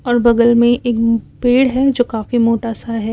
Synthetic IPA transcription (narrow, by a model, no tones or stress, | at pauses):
ɔːɾbɐɡəlmẽʔeːkpeːɽɦɛd͡ʒoːkaːfimoːʈasaɦɛː